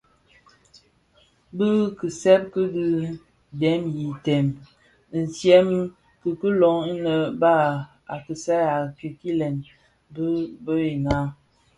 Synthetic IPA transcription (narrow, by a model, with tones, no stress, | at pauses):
bə˦kə˨sɛ˦p̚kə˦dɨ˦ | dɛ˨˦mji˨tɛ˨m | n̩˨sjɛ˦m˦ | kə˨kə˦lɔ˨˦ŋi˦nə˨ba˦ | a˨kə˨sɛ˦a˨ki˨ki˦lɛ˨n | bə˦bə˦e˨na˦